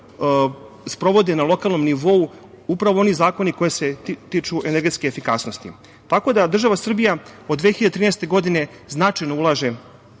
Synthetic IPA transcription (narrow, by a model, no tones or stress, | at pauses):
spɾo̞ʋo̞d̪enalo̞kalˠno̞mniʋo̞u | upɾaʋoo̞nizaːko̞niko̞jeset̪iːt͡ʃuʔene̞ɾɡe̞t̪skeefikasno̞st̪ḭ | t̪ako̞d̪ad̪r̩ʒaʋasr̩bijaod̪ʋexiʎad̪t̪ɾiːnɛst̪e̞ɡo̞d̪ine̞ | znat͡ʃajnoulˠaʒe̞